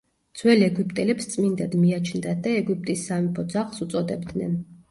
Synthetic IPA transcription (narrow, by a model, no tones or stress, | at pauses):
d̪z̥wɛliɛɡupʼt̪ʼɛlɛpst̪sʼmind̪ad̪miat͡ʃʰnd̪ad̪aɛɡip̚ʼt̪ʼisːamipʰɔd̪zaχˠsut̪sʼɔd̪ɛbd̪nɛ̰n